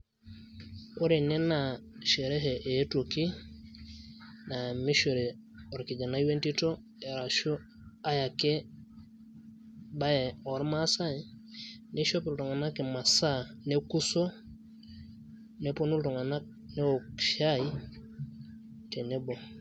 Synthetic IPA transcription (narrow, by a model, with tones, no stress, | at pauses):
o˦ɾe˨ne˦na˨ʃe˨ɾe˦ɦe˨ʔe˨˦to˨ki˦ | na˨mi˦ʃo˨ɾe˨ | o˨ɾki˨d͡ʒa˨na˦i˦we˦nti˦to˦ | e˨ɾa˨ʃo˦ | a˦ja˨ke˦ | ba˦je˨ɔ˨˦ɾma˦sa˦ne˦ʃo˦pi˨lto˨ŋa˨na˦ke˨ma˨sa˦ne˦ku˦so˦ | ne˦po˦nu˦lto˨ŋa˨na˦k̚ | ne˦o˨kʃa˦i˦ | te˨ne˦bo˨